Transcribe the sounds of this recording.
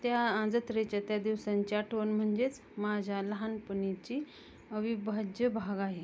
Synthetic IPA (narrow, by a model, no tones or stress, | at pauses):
t̪jaãd͡zət̪ɾet͡ɕjat̪jad̪iʋsaɲt͡ɕjaʈʰʋənm̤əɳd͡zet͡s | mad͡ʑʱaləɦanpənit͡ɕi | əʋibʱad͡ʑjəbʱaɡaɦe